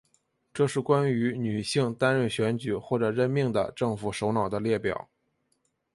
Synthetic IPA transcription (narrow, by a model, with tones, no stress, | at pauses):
ʈ͡ʂɤ˥˧ʂɻ̩˥˩kwa˥ny˧˥ny˨˩ɕi˥˧ŋt̪a˥nɻə˥˩nɕɥɛ˧˥nt͡ɕy˨˩xwɔ˥˩ʈ͡ʂɤ˨˩ɻə˥˧nmi˥˩ŋd̪ə̰˩ʈ͡ʂɤ˥˩ŋfu˨˩ʂo˧˥ʊnɑ˨˩ʊd̪ə˦ljɛ˥˩pjɑ̰˨˩˦